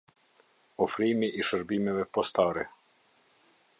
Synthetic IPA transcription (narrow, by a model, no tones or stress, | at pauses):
ofɾiːmiʔiʃəɾbimɛʋɛpost̪aːɾɛ